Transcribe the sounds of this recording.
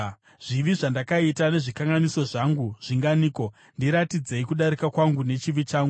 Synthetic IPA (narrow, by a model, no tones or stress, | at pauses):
ʐ̥iʋiʐandakaitane̞ʐikaŋɡaniso̞ʐaŋɡuʐ̥iŋɡaniːko̞ | ndiɾatid͡ze̞ikuɗaɾikakwaŋɡune̞t͡ʃiʋit͡ʃaːŋɡu